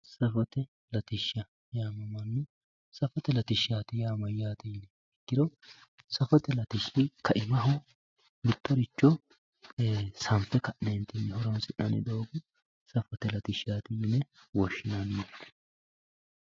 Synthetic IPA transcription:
sɐfɔt̪ɛ | lɐt̪ɪʃːɐ | jaːmɐmɐnːʊ | sɐfɔt̪ɛlɐt̪ɪʃaːt̪ɪjaːmɐjaːt̪ɪjnɛ | ɛkːɪd̪ɔ | sɐfɔt̪ɛlɐt̪ɪʃːɪkɐʔɪmɐɦʊ | mɪt̪ːɔɾɪt͡ʃːɔ | sɐmpːɛkɐʔnɛnt̪ɪnːɛhɔɾɐnsɪʔɐ̰nɪ̰d̪oːɡʊ | sɐfɔt̪ɛlɐt̪ɪʃaːt̪ɪjɪnɛwɔʃːɪnanːɛ̥

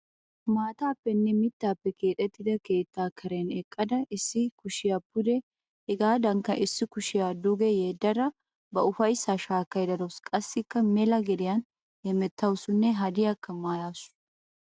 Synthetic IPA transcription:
maːt̪aːpːɛnːɛmɪt̪ːaːpːɛkʰe̞ːt̪ʼɛt̪ːɪd̪ɐke̞ːt̪ːaːkʰɐɾeːnɛkʼːɐd̪ɐɪsːɪkʊʃɪjapːʊd̪ɛ | hɛɡaːd̪ɐŋkːɐʔɪsːɪkʊʃɪjaːd̪ʊɡɛjeːd̪ːɐɾɐ | bɐʊfɐjsaʃaːkːɐjd̪ɐd̪ɔskʼɐsːɪkːɐmɛlɐɡɛd̪ɪjɐn | hɛmɛt̪ːɐwsʊnːɛɦɐd̪ɪjakːɐmaːjaːsʊ̥

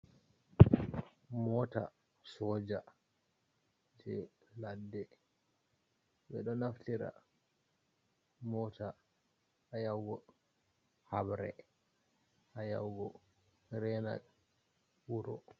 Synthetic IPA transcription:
mɔta | sɔːd͡ʒa | d͡ʒɛ | ladːɛ | ɓɛɗɔnaftiɾa̰ | mɔta | ajawɡɔ | habɾɛ̰ | ʔaja̰wɡɔ | ɾɛna̰ | wuɾɔ

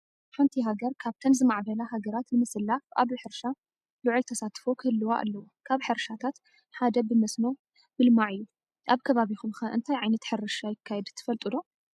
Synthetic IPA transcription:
ħant̪ʰiɦaɡɐɾkʰaβt̪ʰɐnzɨmaʕbɐlaɦaɡɐɾat̪nɨmɨsɨlːafʔa̰βɨħɨɾʃa | lɨʕʊlt̪ʰɐsat̪fo̞kʰɨhɨlːɨwaʔa̰lːɐwukʰaβħɨɾʃat̪ʰat̪ | ħad̪ɐbɨmɐsno̞ | mɨlmaʕɨjːu | ʔaβkʰɐβaβixumxɐʔɨ̰nt̪ʰajʕajnɐt̪ħɨɾɨʃajɪkʰːajɛd̪t̪ʰɨ̥fɐlt̪ʼɨd̪o̞

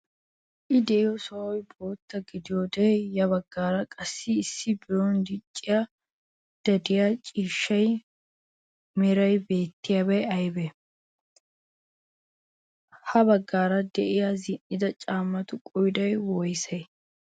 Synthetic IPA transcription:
ʔɪd̪ɛʔɪjɔsɔʔɔjbo̞ːt̪ːɐɡɪd̪ɪjod̪ɛjɐbɐɡːaːɾɐkʼɐsːɪːsːɪbɪɾɔnd̪ɪt͡ʃʼːɪja | d̪̥ɐd̪ɪjat͡ʃʼiːʃːɐj | mɛɾɐjbe̞ːt̪ːɪjabɐjɐjbɛ | hɐbɐɡːaːɾɐd̪ɛʔɪjazɪnːɪd̪ɐt͡ʃʼaːmːɐt̪ʊkʼɔjd̪ɐjwɔjsɐj

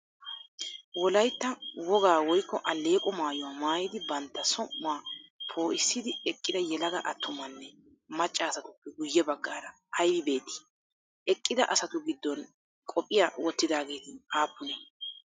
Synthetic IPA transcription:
wɔlɐjt̪ːɐwɔɡaːwɔjkːɔʔɐlːe̞ːkʼɔmaːjʊwamaːjɪd̪ɪbɐnt̪ːɐsɔmːʊaːpʰoːʔɪsːɪd̪ɪɛkʼːɪd̪ɐjɛlɐɡɐʔɐt̪ʰːʊmɐnːɛ | mɐt͡ʃʼːaːsɐt̪ʊpːɛɡʊjːɛbɐɡːaːɾɐ | ɐjbɪbe̞ːt̪ːɪ̥ | ɛkʼːɪd̪ɐ̰ʔɐsɐt̪ʊɡɪd̪ːɔn | kʼɔpʼːɪjawɔt̪ːɪd̪aːɡeːt̪ɪaːpːʊnɛ

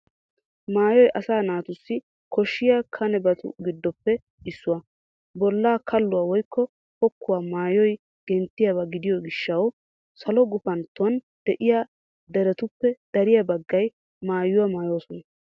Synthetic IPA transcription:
maːjɔjʔɐsaːnaːt̪ʊsːɪ | kʰɔʃːɪjaːkʰɐnɛbɐt̪ʰʊ̰ɡɪd̪ːɔpːɛ | ɪsːʊwɐ | bɔlːaːkʰɐlːʊwaːwɔjkːɔ | pɔkʰːʊwaːmaːjɔj | ɡ̥ɛnt̪ːɪjaβɐɡɪd̪ɪjɔɡɪʃːɐw | sɐlɔɡʊfɐnt̪ːʊwɐn | d̪̥ɛʔɪja | d̪ɛɾɛt̪ʊpːɛd̪̥ɐɾɪjɐbɐɡːɐj | maːjʊwɐmaːjoːsɔnɐ

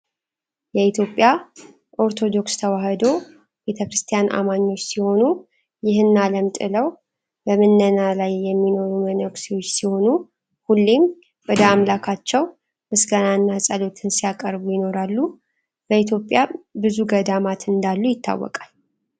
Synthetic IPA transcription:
jɛit̪ʰjo̞pʼːja | ʔo̞ɾt̪ʰo̞d̪o̞kst̪ʰəwahəd̪o̞ | be̞t̪ʰəkɾɨst̪ʰijanʔa̰maɲːo̞t͡ʃːsiho̞nu | jɪhɨnːaləmt̪ʼɨ̰ləw | bəmɨnːənalajːɛmːino̞ɾumənəksiwo̞t͡ʃːsiho̞nu | hulːim | wɔd̪əamlakʰat͡ʃːɛw | mɨsɡənanːasʼəlo̞t̪ʰɨnsijakʼəɾbujɪno̞ɾalːu | b̥əit̪ʰjo̞pʼːjabɨzuɡəd̪amat̪ɨnd̪alːujɪt̪ʰːa̰wːɔ̰kʼal

